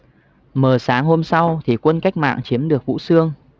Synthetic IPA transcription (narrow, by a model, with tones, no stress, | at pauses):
məː˨˩saː˨˦ŋɦo˧msa˧wt̪ʰi˨˩kwə˧nka˦˥jk̟̚ma̰ː˧˨ŋt͡ɕi˨˦əmɗɨ˨˩ək̚vṵ˧˥sɨ˧əŋ